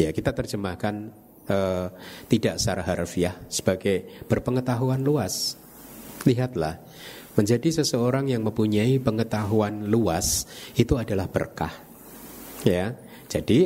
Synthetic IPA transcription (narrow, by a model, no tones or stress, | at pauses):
jakit̪at̪ərd͡ʒəmahkan | ət̪idaʔsaɾaɦarfiahsə̥b̥aɡajb̥ərpəŋət̪aɦuanluas | liɦat̪lah | məɲd͡ʒadisəsəoɾaŋjaŋməmpuɲaipəŋət̪aɦuanluasit̪uadalahb̥ə̰rka̰h | ja | d͡ʒ̥adi